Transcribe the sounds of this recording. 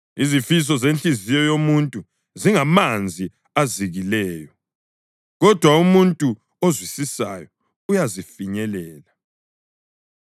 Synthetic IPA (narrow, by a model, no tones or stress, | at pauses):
izifis̬ɔzent͡ɬʼizijɔjomuntʼu | ziŋamand͡zʱi | aziɣilɛːjɔ | ɣɔd̥ʱwaumuntʼu | ozwisisa̰jɔ | ujazifiɲɛlɛːla